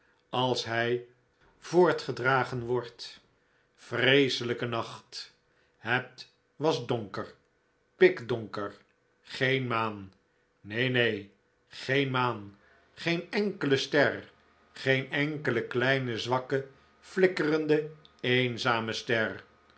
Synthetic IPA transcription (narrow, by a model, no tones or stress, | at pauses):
ɑlˠsɦɛj | v̥ʊːɹtχədraːχənʋɔɹt | frejsələkənɑχt | hɛt | ʋɑzdoŋkəɹ | pɪkdɔŋkəɹ | χejnmaːnː | ejnej | χejnmaːn | χejnɛŋkələstɛr | χejnɛŋkələklɛjnəzʋɑkə | flɪkərəndəejnzaːməstɛr